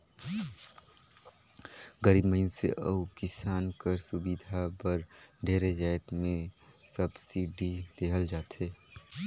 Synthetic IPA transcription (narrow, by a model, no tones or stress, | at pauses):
ɡəɾiːbməɪnsḛʔə̰ukɪsaːnkəɾsʊbid̪ʱabəɾɖʱeːɾed͡ʒaːɪt̪mẽsəbsiːɖʱid̪eːɦəld͡ʒaːt̪ɦeː